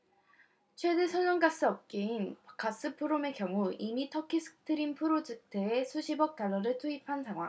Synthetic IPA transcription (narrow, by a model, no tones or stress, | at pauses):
t͡ɕʰwe̞desʰʌnʌŋɡas͈ɯʌp̚k͈einkas͈ɯpʰɯɾome̞kjʌŋuimitʰʌkʰisʰɯ̥k̚tʰɯɾimpʰɯɾod͡ʑɯtʰeesʰuɕʰibʌk̚t͈aɭːʌɾɯɭtʰuipʰansʰaŋɦwa̰ŋ